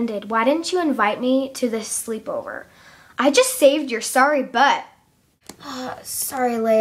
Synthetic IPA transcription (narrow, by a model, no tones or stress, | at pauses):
ndɨd̚waɪɾɪdⁿn̩t͡ʃɨɨ̃ɱvaɪt̚miɾɨðɪslipoʊvə̰˞ | ʔaɪd͡ʒʌstseɪvd͡ʒjə˞sɑɹibʌt̚ | ʌsɑɹileɪ